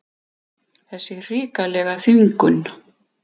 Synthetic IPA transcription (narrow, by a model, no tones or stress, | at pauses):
θɛsːɪr̥iːkalɛɣaθyŋkʏn